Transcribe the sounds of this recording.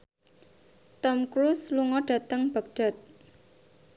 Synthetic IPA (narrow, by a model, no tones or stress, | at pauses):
t̪ɔmkɾusluŋɔɖ̥ä̤t̪əŋb̥a̤k̚ɖ̥a̤t̪̚